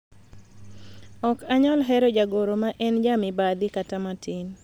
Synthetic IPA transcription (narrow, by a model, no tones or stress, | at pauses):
ɔkaɲɔlɦɛɾɔd͡ʒaɡoɾomaʔɛnd͡ʒamɪbad̪ɪkatamatɪn